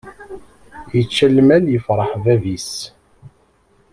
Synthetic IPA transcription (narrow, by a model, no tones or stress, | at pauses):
jət͡ʃːælmæljəfɾˤɑħvævis